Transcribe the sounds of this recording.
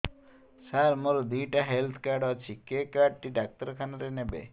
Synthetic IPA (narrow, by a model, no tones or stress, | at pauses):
saɾmoɾod̪ijʈaɦelt̪ʰkaɾɖɔt͡ʃʰikekaɖ̚ʈiɖak̚t̪ɔɾkʰanaɾenebḛ